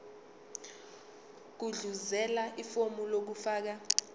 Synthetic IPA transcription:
k̬uɮuzɛlaʔifomulok̬ufaːk̬a

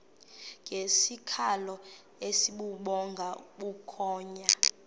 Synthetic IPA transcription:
ŋɡʱesikʰalɔ | esiɓuɓɔŋɡʱaɓukʰɔːɲa

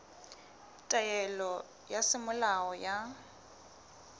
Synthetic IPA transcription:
tʼajɛlɔ | jasɪmʊlaɔja

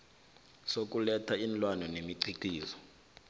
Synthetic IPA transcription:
sok̬ʼulɛtʰainlwanɔnemiǀʱiǀ̥iːzɔ

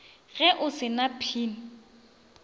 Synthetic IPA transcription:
ɣɛʔʊsɪnapʰiːnɪ

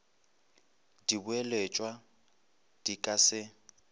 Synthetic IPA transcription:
dibʊelet͡ʃʼwa | d̥ikʼasɪ

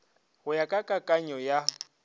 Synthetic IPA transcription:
hʊjakʼakʼakʼaɲɔja

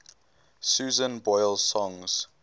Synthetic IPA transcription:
sjuːzə̃nbɔjlsɔ̃ŋz̥

